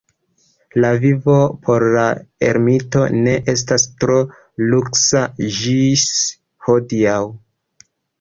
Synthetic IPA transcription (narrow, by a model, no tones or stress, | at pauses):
lavivo̞pʰo̞ɾlaḛɾmito̞ne̞ʔe̞s̬tastɾo̞ | luksaʒis | hodiaw